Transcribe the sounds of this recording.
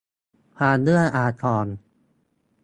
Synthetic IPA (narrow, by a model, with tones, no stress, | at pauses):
pʰaː˧ndɯ˥˩əjʔaː˧t̪ʰɔː˧n